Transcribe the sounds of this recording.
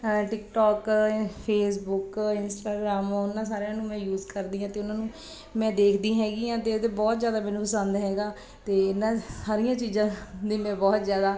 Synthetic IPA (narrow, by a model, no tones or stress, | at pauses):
ʈɪkʈɔːkpʰeːs̬bʊkɪnsʈaːɡɾaːmːʊnːãːs̬aːɾejãːnũːmɛ̃ːjuːzkəɾd̪iːãːt̪eːʊnãːnũː | mɛ̃ːd̪eːkʰd̪ĩːɦɛːɡiːãːt̪eːd̪eːbɔːt̪zjaːd̪aːmɛ̃ːnũːpəsãːnd̪aɦɛːɡaː | t̪eːɪnãːsaːɾijãːt͡ʃiːzãːd̪eːmɛ̃ːbɔːt̪zjaːd̪aː